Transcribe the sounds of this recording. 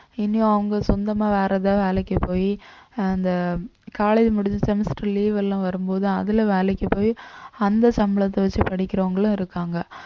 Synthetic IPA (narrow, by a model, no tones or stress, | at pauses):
ɪnːɪjõɐʋɐŋɡɐsɔnd̪ɐmaːʋeːɾɐðãːʋeːlɐkːɐpoːjiɐnd̪ɐkaːlɐɪðmʊɽɪd͡ʒɯsɛmɪsʈɐliːʋɛlːãʋɐɾɯmpoːðɯɐðɪlɐʋeːlɛkːɐpoːjiɐnd̪ɐsɐmɪɭɐt̪ːɐʋɐt͡ʃːɯpɐɽɪkʲːɪɾɐʋɐŋɡɐɭʊ̃ɪɾɯkːaːŋɡɐ